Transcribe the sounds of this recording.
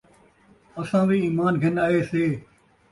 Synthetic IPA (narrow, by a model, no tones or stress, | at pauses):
əsãːʋiːiːmaːnɡʱɪnaːɦeːseː